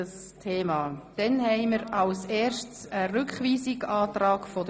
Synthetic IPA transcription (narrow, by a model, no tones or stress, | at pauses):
əs | tʰeːmɑːd̥ɛnhɛɪməɾɑlseːɾʃtsərʏkχʋiːsɪɡɑːtɾɑːkfɔdə